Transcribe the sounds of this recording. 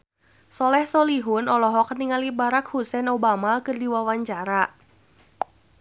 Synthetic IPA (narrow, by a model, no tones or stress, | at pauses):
sɔlɛhsoliɦunɔlɔɦɔkəniŋalibaɾak̚husɛnobamakɨrdiwawaɲt͡ʃaɾa